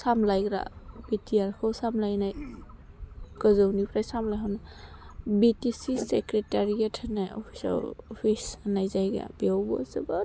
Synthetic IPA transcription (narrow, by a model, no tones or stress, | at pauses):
samlajɡɾa̰b̥itiaɾkʰɔwsamlajnaj | kəzɔwnipʰɾajsamlajɦawna | bitisisekɾetaɾijatʰanaɔ̰pʰi̥sa̰ɔpʰisnajzajɡa̰biawbɔ̰zəba